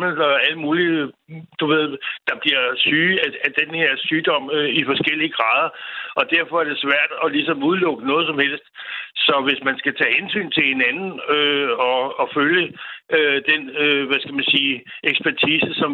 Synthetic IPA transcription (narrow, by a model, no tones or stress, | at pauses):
m̩ɒæləmuːlid̥uʋe̝ð̰ˠd̥ɑ̈b̥liɐsyːææd̥enhe̝ɐ̰syːd̥ɒ̽m̰ifɒ̽sɡ̥el̰iəɡ̥ʁɑ̈ːð̞ˠɐɒ̽d̥æɐ̰fɒ̽æɐd̥e̝sʋæɐ̰d̥ɒ̽lisɒ̽muðˠlɔ̽ɡ̥ənɔ̽ːðˠsɒ̽mhel̰sd̥sɒ̽ʋe̝smænsɡ̥æt͡sʰɛ̰ːhensy̰ːnt͡sʰe̝lhe̝nænn̩øɒ̽ːføljəød̥enøʋæsɡ̥æmænsiːeɡ̥sb̥ʰæɐt͡sʰiːsəsɒ̽m